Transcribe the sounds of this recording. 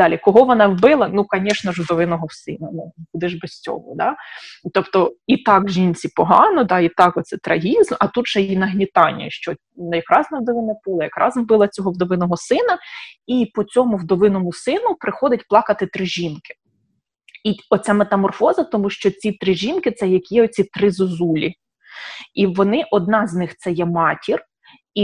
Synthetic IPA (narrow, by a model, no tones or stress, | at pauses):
d̪̥ɑlʲikɔɦɔʋɔnɑʋbɪlˠɐnukɐnʲɛʃnɐʒwd̪ɔʋɪnɔɦɔsɪnɐnubud̪ɪʒbesʲt͡sʲɔ̰ʋʊ̰d̪ɑt̪ɔpt̪ɔit̪ɑkʒʲinʲt͡sʲipɔɦɑnɔd̪ɑit̪ɑkɔt̪sɛt̪ɾʔɐɦʲizmɐt̪ut̪ʒ̥ɛjinɐɦnʲit̪ɑnʲːɐ̰ʃt͡ʃɔ | nɐjɐkɾɑznɐwd̪ɔʋɪnɐpɪlˠɐjɐkɾʔɑ̰zʋbɪlˠɐt͡sʲɔɦɔwd̪ɔʋɪnɔɦɔsɪnɐipɔt͡sʲɔmʊwd̪ɔʋɪnɔmʊsɪnʊpɾɪxɔd̪ʲɐtʲplˠɑkɐt̪ɪt̪ɾɪʒʲinkɪ̥ | iɔt͡sʲamet̪ɐmɔrfɔzɐt̪ɔmuʃt͡ʃɔt͡sʲit̪ɾɪʒinkɪt̪sɛjɐkʲjɛɔt͡sʲit̪ɾɪzɔzulʲi | iʋɔnɪʔɔd̪̚nɑzʲnɪxt̪sɛjɛmɑtʲir | i